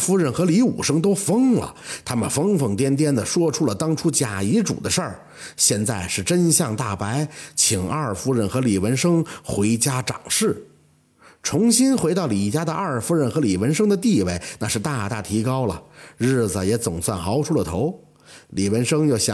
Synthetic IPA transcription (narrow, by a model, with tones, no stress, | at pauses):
fu˥ɻə˥˩nxɤ˧˥li˧˥ṵ˨˩ʂɤ˥ŋt̪o˥ʊfɤ˥ŋlə̰˩t̪ʰa˥mə˨nfɤ˥ŋfɤ˥˩ŋt̪jɛ˥nt̪jɛ˥nd̪ə˨ʂwɔ˥ʈ͡ʂʰu˥lə˨t̪ɑ˥ŋʈ͡ʂʰu˥t͡ɕja˨˩i˧˥ʈ͡ʂṵ˨˩d̪ə˦ʂə˞˥˩ | ɕjɛ˥˧nt͡sa˥˩ɪʂɻ̩˥˩ʈ͡ʂə˥nɕjɑ˥˧ŋt̪a˥˩pa˧˥ɪt͡ɕʰi˨˩ŋɐ˞˥˧˩fu˥ɻə˥˩nxɤ˧˥li˨˩wə˧˥nʂɤ˥ŋxwe˧˥ɪt͡ɕja˥ʈ͡ʂɑ̰˨˩ŋʂɻ̩˥˩ | ʈ͡ʂʰʊ˧˥ŋɕi˥nxwɪt̪ɑ˥˩ʊli˨˩t͡ɕja˥d̪ə˧ʔɐ˞˥˩fu˥ɻə˥˩nxɤ˧˥li˨˩wə˧˥nʂɤ˥ŋd̪ə˨t̪i˥˧we˥˩ɪna˥˧ʂɻ̩˥˧t̪a˥˧˩t̪a̰˥˩t̪ʰi˧˥kɑ˥ʊlə̰˨ɻɻ̩˥˩d͡zə˩jɛ˧˥t͡sʊ˨˩ŋswa˥˩nxɑ˧˥ʊʈ͡ʂʰu˥lə˨t̪ʰo˧˥ʊ | li˨˩wə˧˥nʂɤ˥ŋjo˥˩ʊɕj